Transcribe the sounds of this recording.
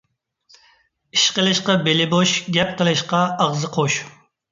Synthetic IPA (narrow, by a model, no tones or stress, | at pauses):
iʃqəlˠɨʃqɑbelɪboʃɡʲɛp̚qəlˠɨʃqɑːʁzɨqʰoʃ